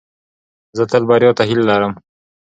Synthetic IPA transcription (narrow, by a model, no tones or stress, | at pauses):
zət̪əlbɑɾjot̪aɦɪlːaɾəm